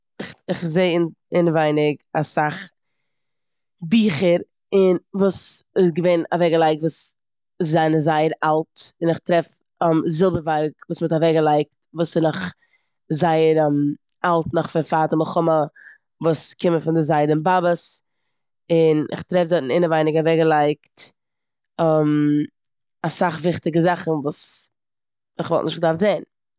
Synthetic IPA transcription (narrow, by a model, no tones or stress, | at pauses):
ɪχɪχzeɪɪn | ɪnəvaɪnɪɡasaχ | biːχəɾ | ɪnvuːsɪsɡəveɪna̰vɛɡəlˠaɪk̚tvuːs | zaɪnəzaɪəɾalˠtɪnɪχtɾɛf | ɛmzɪlˠbəvaɾkvuːsmɪtavɛɡəlˠaɪk̚tvuːsɪnɔχ | zaɪəɾm | alˠtnɔχfɪnfaːtəməχʊmə | vuːskɪməfɪndɪzaɪdənbabəs | ɪnɪ̰χtɾɛfdɔtn̩ɪnəvaɪnɪɡavɛɡəlˠaɪkt | ɛm | asaχvɪχtɪɡəzaχn̩vuːs | ɪχvɔlˠtnɪʃtɡdaɾfzeɪn